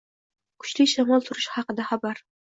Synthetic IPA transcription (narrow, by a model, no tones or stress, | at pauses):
kʰʊ̥t͡ʃlɪʃamɒlˠt̪ʰʊɾɪʃhɑqɨd̪aχabaɾ